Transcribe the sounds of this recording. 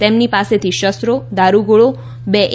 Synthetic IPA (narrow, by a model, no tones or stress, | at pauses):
t̪emnipaset̪ʰiʃəst̪ɾod̪aɾuɡoɭo | beʔ